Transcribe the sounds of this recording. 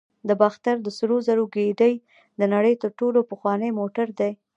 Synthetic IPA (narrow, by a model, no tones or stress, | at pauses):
d̪əbaxt̪aɾd̪əsɾozaɾoɡeɖəj | d̪ənaɽəjt̪əɾʈolopəxwɑnəjmoʈaɾd̪aj